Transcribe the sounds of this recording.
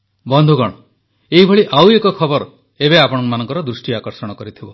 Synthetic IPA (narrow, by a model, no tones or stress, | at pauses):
bɔnd̪ʱuɡɔɽ̃ɔ | eɦibʱɔɭiʔawekɔkʰɔbɔɾ | ebeapɔɽ̃ɔŋkmanɔŋkɔɾɔd̪ɾusʈiakɔɾsɔɽ̃ɔkɔɾit̪ʰibɔ